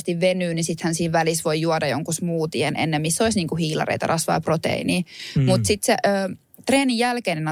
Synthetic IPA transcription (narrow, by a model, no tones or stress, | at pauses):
st̪iʋʋenyːnisit̪hænsiːʋʋælisʋojjuɔdɑjoŋkusmuːt̪ienʔḛnːemmisːoisniːŋkuhiːlɑ̰rḛt̪ɑ̰rɑsʋɑ̰ːprot̪ḛiniːmut̪sit̪seʔøː | t̪reːnijælkeinenɑ